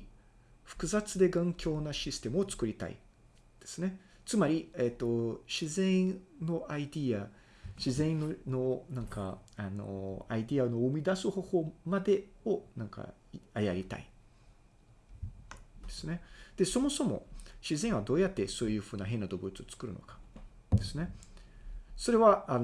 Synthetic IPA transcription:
ɸɯ̥kɯ̟zat͡sɨd̪e̞ɡãŋkʲo̞ːnaɕisɨ̥t̪e̞mɯ̟o̞t͡sɨ̥kɯ̟ɾʲit̪a̰ḭ | d̪̥e̞̥sɨne̞ | t͡sɨmaɾʲiet̪ːo̞ɕizẽ̞no̞ʔaid̪ʲia | ɕizẽ̞nononãŋkaano̞̰aid̪ianomid̪asɨho̞ho̞ːmad̪e̞o̞nãŋka̰ | iajaɾʲit̪a̰ḭ | d̪̥e̞sɨne̞d̪̥e̞so̞mo̞so̞mo̞̰ɕizẽ̞ɰ̃βad̪o̞ːjat̪ːe̞so̞ːjɯ̟ːɸɯ̟ːnaɦe̞nːad̪o̞bɯ̟t͡sɨo̞t͡sɨ̥kɯ̟ɾɯ̟no̰kḁ | d̪̥e̞sɨne̞ | so̞ɾe̞βaa

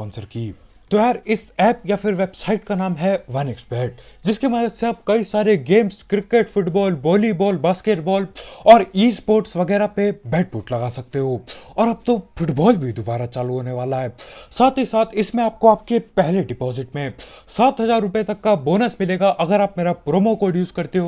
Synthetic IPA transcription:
ɔ̃ːnsəɾkiː | t̪oɛːɾɪsɛːpjafʰɪɾʋeːbsaːɪʈkanaːmɦɛʋɐnɛksbɛːʈ̚d͡ʒɪskemɐd̪əd̪seaːb̚kɐisaːɾeɡeːmskɾɪkeʈfʊʈbɔːlbɔːlibɔːlbaːskeʈbɔːlɔːɾiːspoːɾʈsʋɐɡɛːɾapebɛːʈ̚pʊʈlɐɡaːsɐk̚t̪eɦoːɔːɾaːb̚t̪ofʊʈbɔːlbʱid̪obaːɾat͡ʃaːluɦoːneʋaːlaɦɛːsaːt̪ɦisaːt̪ʰɪsmẽaːp̚koaːp̚kepɛɦleɖɪpɔːzɪʈmẽsaːt̪ɦɐzaːɾːʊpjet̪ɐkːaboːnəsmɪleːɡaʔɐɡəɾaːpmeːɾapɾoːmokoɖjuːskɐɾt̪eɦoː

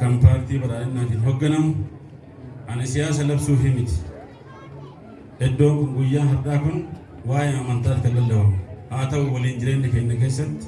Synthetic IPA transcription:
kɐmpaːɾt̪iːbɐɾaːnɛnːaːt̪iːnhɔɡːɐnɐm | ʔɐnɪsɪjaːs̬ɐlɐbsuːɦɪmɪt̪ɪ̥ | hɛd̪ːoːkʊŋɡʊjːaːnɦɐɾᶑaːkʊn | waːjɛnɐmɐnt̪aːɾkɐɡɐlːɐwɐhaːt̪ɐʔʊwɐliːnd͡ʒɪɾeːnːɪkɛnːɛk̬e̞ːsːɐt̪ːɪ̥

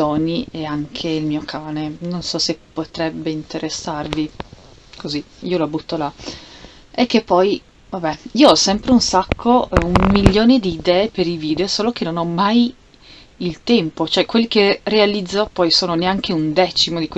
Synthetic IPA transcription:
ɔnieaŋkʰeilmiːokʰaːnenonsɔsepːot̪ɾɛbːeint̪ʰeɾʔesːarvi | kʰoziiːolabut̪ːola | ekːepːɔj | vabɛiːoɔsɛmpɾeunsakʰːouumːilːoːned̪iːd̪ɛːepeɾiviːd̪eosoːlok̟enonɔmaj | ilt̪ɛmpot͡ʃoɛkwelːikerealid̪zːopɔjsoːnoneaŋk̟eund̪ɛt͡ʃimod̪ikwe

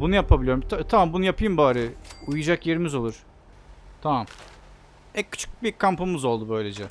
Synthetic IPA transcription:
bunujapʰabilʲjoɾmt̪ʰat̪ʰamambunujapʰɯjɯmbaːɾɯujud͡ʒakje̞ɾimizo̞lˠuɾ̥ | t̪ʰamam | ɛkʰːy̥t͡ʃʰy̥k̚bikʰampɯmɯzo̞lˠd̪ubøjlʲe̞d͡ʒɛ

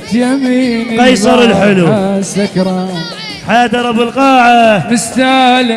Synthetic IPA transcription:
jamiːnqɑjsˤɑɾˤɪlħɪlusakɾˤɑ | ħaːd̪ɑɾˤɑbɪlqɑːʕamɪst̪aːl

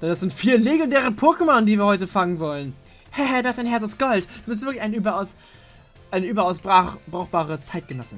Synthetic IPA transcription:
d̥ɛndasz̥ɪntfiːɐleɡɛndeːʁəpʰʊɐkəmɔndiːviːɐhɔʏtəfaŋənvɔlən | hɛhɛdaɪsaɪnɦɛɐt͡saʊsɡ̥ɔltd̥uːbɪs̬tv̥ɪɐklɪçaɪnʔyːbɐaʊs | ʔaɪnəʔyːbɐaʊsb̥ʁab̥ʁaʊxb̥aːʁət͡saɪt̚ɡ̥ənɔsə

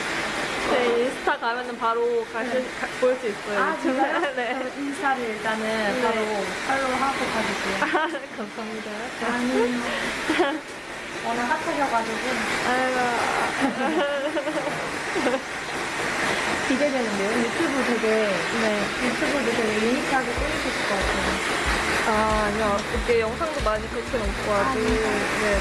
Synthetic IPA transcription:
deisʰu̥tʰakamjʌnɯnpaɾokaɕʰi | poɭs͈uis͈ʌjoat͡ɕne̞insʰaɾiɭt͈anɯnpːaeɾopʰaɭːoɦaɡokʰad͡ʑiɡujokʌmsʰʌɦamidajoɲi | ʌnaɦatʰʌɡʰʌɡad͡ʑiɡua | kiɡe̞dwe̞nɯnde̞jojutʰubuteɡe̞ne̞jutʰubuduteɡeiikʰaɡet͈ɯɲid͡ʑʰesɯk͈ʌk͈atʰejo | aːɲiakɯk͈ejʌŋsʰaŋdomaɲikɯokʰenʌmk͈oaɡune̞

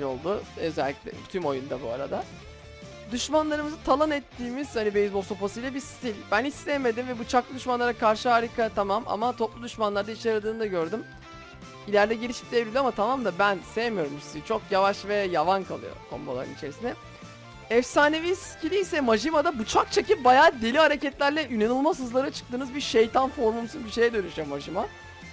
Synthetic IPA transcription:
o̞̰lˠd̪uø̞zɛlʲːiclʲɛ̰t̪ʰymo̞jund̪abua̰ɾa̰d̪a | d̪yʃmanlˠaɾɯmɯzɯt̪ʰalˠanɛt̪ːiːmiz̥hanibejizboso̞pasɯjlʲˠabist̪ʰilʲbænislʲɛme̞d̪imvɛbut͡ʃʰaklˠɯd̪yʃmanlˠaɾakʰaɾʃɯɦaɾikʰat̪ʰamama̰mat̪ʰo̞plˠud̪yʃmanlˠaɾd̪ait͡ʃjaɾad̪ɯːnd̪aɟøɾd̪ym | ilʲæɾd̪ɛɟiɾʲiʃip̚d̪evɾʲilʲamat̪ʰamamd̪abænsejemijo̞ɾumsiizit͡ʃʰo̞kjavaʃvɛjavankʰa̰lˠɯ̰jo̰kʰo̞̰mbo̰lˠa̰ɾɯ̰nit͡ʃʰe̞ɾisinɛ | ɛfsaːneviscʰilʲijsɛmaʒimad̪abut͡ʃʰak̚t͡ʃʰacip̚bajaːd̪e̞lʲiɦaɾecɛt̪lʲæɾlʲɛynenɯlˠmasɯzlˠaɾɯt͡ʃʰɯ̥t̪ɯːnɯzbiɾʃejt̪ʰanfo̞ɾmumsuzbiʃe̞jɛd̪ø̞nyʃyjomaʒima

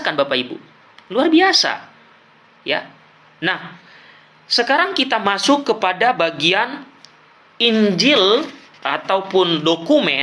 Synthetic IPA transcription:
kanbapaibṵ | luarbiasa̰ | ja̰ | nah | səkaɾaŋkit̪amasʊkːəpadabaɡian | iɲd͡ʒɪl | ʔat̪awpʊndokumɛ

